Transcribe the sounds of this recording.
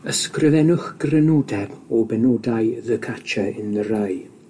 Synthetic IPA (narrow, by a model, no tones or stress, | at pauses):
əskrɪvɛnʊχɡ̥rɛnɔdɛbɔbɛnɔdajðəkʰat͡ʃʰaɪnðəɾaj